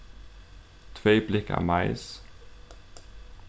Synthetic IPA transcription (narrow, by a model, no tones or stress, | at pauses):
t̪ʰveːb̥lɪkæ̰ːmɑɪs